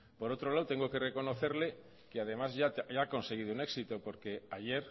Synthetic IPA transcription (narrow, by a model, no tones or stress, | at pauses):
po̞ɾot̪ɾolawt̪e̞ŋɡokereko̞noθeɾle | keað̞e̞mazʝat̪ʝako̞nse̞ɣiðouneksit̪opo̞ɾkeaʝeɾ